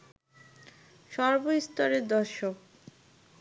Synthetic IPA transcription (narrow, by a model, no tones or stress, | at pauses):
ʃɔɾboist̪oɾeɾd̪ɔɾʃok̚